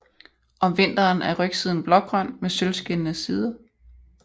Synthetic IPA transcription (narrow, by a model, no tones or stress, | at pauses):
ʔɒ̽mʋe̝n̰d̥ɐːnæɐʁœɡ̥siðˠn̩b̥lɒ̽ɡ̥̚ɡ̥ʁɶn̰mesølsɡ̥e̝nnəsiːð̞ˠɐ